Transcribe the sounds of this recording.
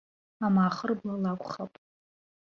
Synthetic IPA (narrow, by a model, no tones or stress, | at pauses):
amaːχərblalakʷʼχapʼ